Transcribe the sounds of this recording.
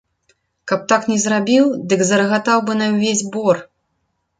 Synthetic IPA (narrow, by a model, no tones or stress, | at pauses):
kɐp̚t̪aknʲɛzrabʲiwd̪ɨɡzɐrɣat̪awbɨnɐwvʲezʲbɔr